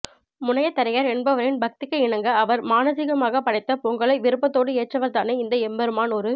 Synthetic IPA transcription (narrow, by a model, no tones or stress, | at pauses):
mʊnɐjɐt̪ːɐɾɐjaːɾɛɳbɐʋɐɾɪnbɐk̚t̪ɪkːɐɪɳɐŋɡɐɐʋɐɾmaːnɐsɪɣɐmaːɣɐpɐɽɐɪt̪ːɐpɔŋɡɐɭɐɪʋɪɾɯpːɐt̪ːoːɽɯeːʈrɐʋɐɾt̪aːneːɪnd̪ɐɛmbɛɾɯmaːnɔɾɯ